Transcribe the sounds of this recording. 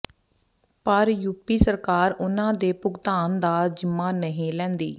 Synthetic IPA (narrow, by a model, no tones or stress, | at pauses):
pəɾjuːpiːsəɾkaːɾʊnãːd̪eːpʊɡt̪aːnd̪aːd͡ʒɪmːaːnəɦĩːlɛ̃ːnd̪ḭː